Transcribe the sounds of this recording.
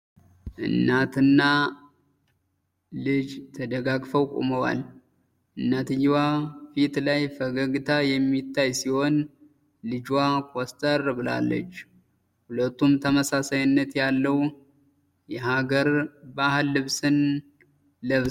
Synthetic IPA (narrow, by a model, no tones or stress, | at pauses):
ʔɨ̰nːat̪ʰɨnːa | lɨd͡ʒt̪ʰəd̪əɡaɡfəwkʼṵməwa̰l | ʔɨnːat̪ɨjːwafit̪lajfəɡəɡɨt̪ʰajɛmːit̪ʰːajsiho̞n | lɨd͡ʒwakʰʼost̪ʼərbɨla̰lːə̰t͡ʃː | hulət̪ːumt̪ʰəməsasajnːət̪jalːəw | jɛɦaɡəɾbahɨlːɨβsɨn | ləβ